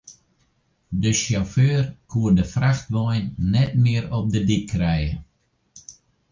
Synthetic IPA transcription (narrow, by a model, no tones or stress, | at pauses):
dəʃjɔføːrkʰuədəfraxtʋɔjnːɛtmɪəɾɔp̚dədikʰːrɛjə